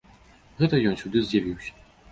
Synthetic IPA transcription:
ɣɛt̪ɐjɔnsʲud̪ɨzʲjavʲiwsʲɐ̥

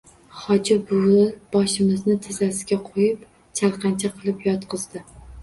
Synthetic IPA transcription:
χɒd͡ʒɪbʊɡʊlb̥ɒʃɪmɪznɪt̪ʰɪzasɪɡʲaqʰojɪp | t͡ʃʰalˠqʰɑnt͡ʃʰaqʰɨlˠɪpjɒt̪qʰɨzd̪ɪ

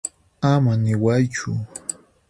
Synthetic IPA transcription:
amanɪwajt͡ʃʊ

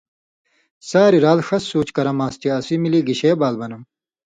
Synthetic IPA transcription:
saːɾiɾaːlʂɐsːuːt͡ɕkɐɾɐmaːst̪iɐsimiliɡiɕeːbaːlbɐnɐm

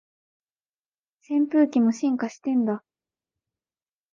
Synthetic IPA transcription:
sẽ̞mpɯːkʲimo̞ɕĩŋkaɕi̥t̪ẽ̞nd̪a

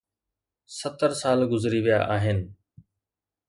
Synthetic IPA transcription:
sət̪əɾsaːlɡʊzɾiʋijaʔaːɦɪnɪ̆

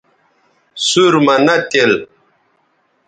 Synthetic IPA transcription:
suɾmɐnɐt̪el

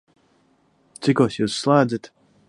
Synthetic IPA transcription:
t̪sikuɔːsjuːsːlˠaːd̪zɨt̪

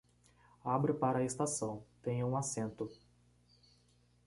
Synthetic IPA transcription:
abɾɪpaɾɐaest̪asɐ̃w̃t̪ẽɲʊũasẽnt̪ʊ

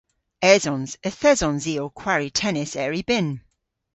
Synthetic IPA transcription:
ɛzɔ̃nz̥əθɛzɔ̃nziːokʰw̥aɹitʰɛnɪsɛɹibɪn

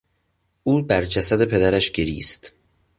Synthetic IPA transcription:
ʔuːbæɾd͡ʒæsæd̪e̞pʰe̞d̪æɾæʃɟe̞ɾḭːst̪

